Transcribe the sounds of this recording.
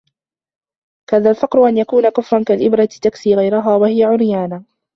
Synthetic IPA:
kaːðalfɑqɾʊʔanjakuːnakʊfɾˤɑnkalʔɪbɾˤɑt̪ɪ̥t̪aksiːɣajɾʊɦaːwahɪjaʕʊɾjaːna

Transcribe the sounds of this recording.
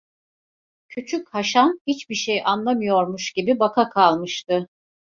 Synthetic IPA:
cʰyt͡ʃʰychaʃamhit͡ʃbiʃejʔanlˠamɯjo̞ɾmuʃɟ̥ibibakʰakʰalˠmɯʃt̪ɯ

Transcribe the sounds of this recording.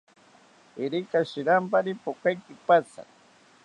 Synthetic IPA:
ɪɾɪkaʃɪɾampaɾɪpokajkɪpat͡sa̰

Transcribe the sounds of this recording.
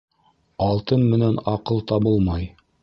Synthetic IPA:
ɑlˠt̪ɤnmɘ̆nænɑqɤlˠt̪ɑbɤlˠmɑj

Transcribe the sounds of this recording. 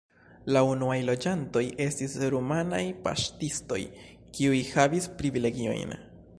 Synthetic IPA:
launuajlo̞d͡ʒanto̞jʔe̞stisɾumana̰jpa̰ʃtisto̞̰j | kiujhavispɾivile̞ɡio̞̰jn

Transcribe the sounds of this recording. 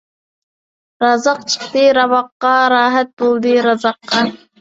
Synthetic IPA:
ɾɑzɑq̚t͡ʃʰɨ̥χt̪ɨɾɑvɑqːɑɾɑːɦæt̪̚bolˠd̪ɨɾɑzɑqːɑ

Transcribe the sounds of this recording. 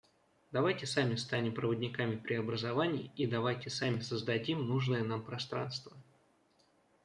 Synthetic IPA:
d̪ɐvajtʲɪsamʲɪst̪anʲɪmpɾəvədʲnʲɪkamʲɪpɾʲɪɐbɾəzɐvanʲɪɪid̪ɐvajtʲɪsamʲɪsəzd̪ɐdʲimnuʐnəjənampɾɐst̪ɾa̰nst̪və

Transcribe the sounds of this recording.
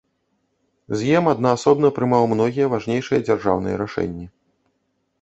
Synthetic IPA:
zjɛmad̪naːsɔbnɐpɾɨmawmnɔɣʲijɐvaʐnʲejʂɨjɐd͡zʲarʐa̰wnɨ̰jɐ̰ɾaʂɛ̰nʲːi

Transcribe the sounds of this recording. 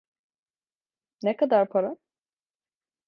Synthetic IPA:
nɛkad̪aɾpʰaɾa

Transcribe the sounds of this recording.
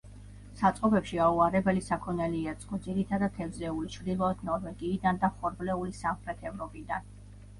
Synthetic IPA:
sat̪sʼqʼɔbɛpʃiauaɾɛbɛlisakʰɔnɛliɛt̪sʼqʼɔd̪ziɾit̪ʰad̪at̪ʰɛvzɛulit͡ʃʰvɾd̪ilˠɔɛd̪nɔɾvɛɡiːd̪and̪aχɔɾblɛulisamχɾɛt̪ʰɛvɾɔpʼid̪an

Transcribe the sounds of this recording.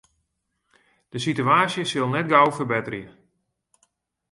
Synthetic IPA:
d̥əsityaːsjəsɪlˠnɛt̚ɡawfərbɛtərjə

